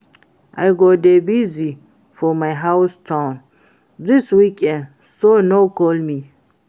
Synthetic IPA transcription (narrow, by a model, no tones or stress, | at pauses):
ʔajɡodebizi | fɔmajɦawstʰãʊ̃n | diswikɛ̃n | sonokɔlmi